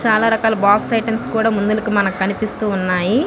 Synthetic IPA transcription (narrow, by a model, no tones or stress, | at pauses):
t͡ʃaːlaːɾɐkaːlɐbaːksɐjʈɐmskuːɽaːmund̪ulɐkumɐnɐkkɐnipist̪uːunːaːji